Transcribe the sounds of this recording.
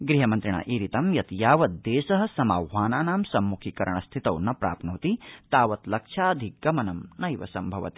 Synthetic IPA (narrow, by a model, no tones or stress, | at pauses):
ɡɾiɦɐmɐnt̪ɾiɳa̰ːʔiːɾit̪ɐmjɐt̪jaːʋɐt̪̚d̪eːsɐɦɐ̆sɐma̰ːwʋaːnaːnaːmsɐmːukʰikɐɾɐ̰ɳɐst̪ʰit̪ɐwnɐpɾa̰ːpnuːt̪it̪aːʋɐt̪lɐkʂʰaːd̪ʱiɡɐmɐnɐmnɐjʋɐ̰sɐmbʱɐʋɐ̰t̪i̥